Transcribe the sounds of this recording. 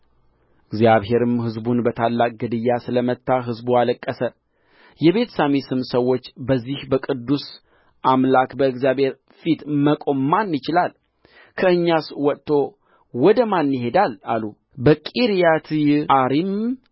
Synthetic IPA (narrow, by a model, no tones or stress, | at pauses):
ʔɨɡzjaβɦe̞ɾɨmhɨzbunbət̪ʰalːakʼɡɨd̪ɨjːasɨləmət̪ːaɦɨzbualəkʼːəsə | jɛβe̞t̪ʰsamisɨmsəwːo̞t͡ʃːbəzːihbəkʼɨd̪ːus | ʔamlakbəɨɡzijaβhe̞ɾ | fit̪məkʼo̞mmanːɪt͡ʃɪlal | kʰəɨɲːaswɔt̪t̪ʰːo̞ | wɔd̪əmanːɦe̞d̪ala̰lu | bəkʼiɾijat̪ʰjaɾim